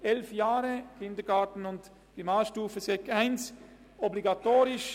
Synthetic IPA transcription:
ʔɛlfjaːɾəkʰɪndəɡaːtn̩ʊnt | imaːlʃtuːfəsɛkaɪns | ɔbliɡatoːɾɪʃ

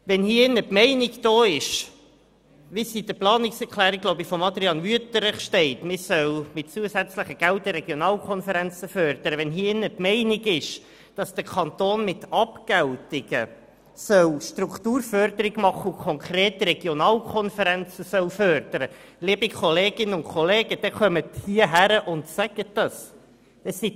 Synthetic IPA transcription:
ʋɛnhiːəɪnːəpmɛɪnɪɡd̥oːɪʃ | ʋisidəplɑːnɪksɛɾkʰlæːɾiɡ̥loʊbifɔmɑd̪ɾiɑnvyətəɾɪχʃtɛɪtmɪsœwmɪt̚t͡suəsæt͡sləχəɡ̥æltəɾɛɡ̥jonɑːlkʰɔnfəɾænt͡səfœːɾd̥̪əɾəʋɛnɦiːɪnːəpmɛɪnɪɡɪʃ | d̥ɑsd̥əkʰɑnt̪oːnmɪtɑpkæltɪɡ̥ə̰ | sœwʃtɾukʰtuːɾfœrd̪əɾɪɡmɑχːəukʰɔŋkɾeːtɾɛɡjonɑːlkʰɔnfəɾænt͡səsœwfœrd̪̥əɾəliəbikʰoleːɡɪnːəʊnkʰoleːɡ̥əd̥ɛχœməthiəɦæɾəʔʊntsæɡ̥ət̚d̥ɑs | ɛsi

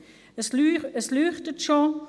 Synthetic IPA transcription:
əsəslyːχtətʃo

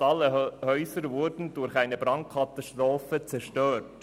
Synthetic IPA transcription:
ɑlːəhœʏsəɾvʊɾdn̩dʊɾxæɪnəbɾɑŋt̚kʰɑt̪ɑstɾoːfət͡sɛɾʃtøːɾt

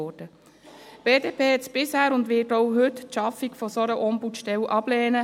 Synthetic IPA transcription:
ɔd̥ə | b̥eːdeːpʰeːhɛtt͡sb̥ɪshæːɾʊndʋɪːtɔwɦʏtʃɑfikfɔsoɾəʔɔmbutʃtɛlʔɑb̥lɛːnə

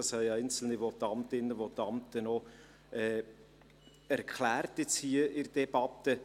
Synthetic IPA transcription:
ɑshɛɪɛɪnt͡sl̩niʋot̪ːɑmt̪ɪnːəʋɔt̪ːɑmt̪ənɔ | ɛː | æɾkʰlæːrtɪt͡shiəʔɪrd̥ɛb̥ɑt̪ə

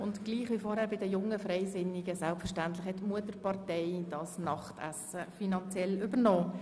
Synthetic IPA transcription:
ʊntɡ̥liːχʋifɔːɾhæːɾbɪdəjʊŋəfrɛɪsɪnːiɡəsælpfəɾʃtæntlɪχhɛtːmuətəɾpɑʁtɛɪd̥ɑsnɑχtæ̰səfinɑnt͡sjɛlʏbənɔː

